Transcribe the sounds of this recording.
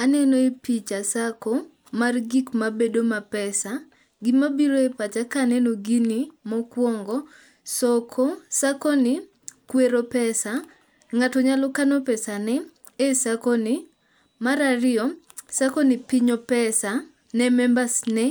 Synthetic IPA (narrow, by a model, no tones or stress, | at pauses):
anɛnoepit͡ʃasako | marɡikmabedomapɛsa | ɡɪmabiɾoepat͡ʃakanɛnoɡinimɔkwɔŋɡɔ | sɔkʰɔsakonɪ | kweɾopɛsa | ŋatɔɲalɔkanɔpɛsanɛ | esakonɪ | maɾarɪɔ | sakonɪpiɲopɛsa | nɛmɛmbasnɛ